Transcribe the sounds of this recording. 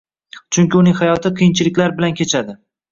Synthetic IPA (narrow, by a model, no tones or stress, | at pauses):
t͡ʃʰʊŋkʲɪʊnɪŋʲhajɒt̪ʰɪqʰɨjɪnt͡ʃʰɪlɪkʲlaɾbɪlankʲʰe̞t͡ʃʰad̪ɪ